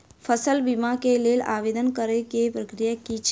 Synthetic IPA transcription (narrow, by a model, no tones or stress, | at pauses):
fʰəsəlbimakeleːla̰ːʋeːd̪ənkəɾekepɾəkɾijakit͡ʃʰ